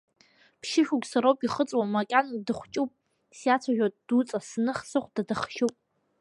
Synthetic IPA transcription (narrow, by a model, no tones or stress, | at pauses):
pʰʃɪʃuɡʲʷsaɾowpʼiχət͡sʼwamakʲʼandɨχʷt͡ʃʼupʼ | sjat͡sʷʰaʒʲᶣatʼd̥ut͡sʼasnɨχsɨχʷdadɨχʃupʼ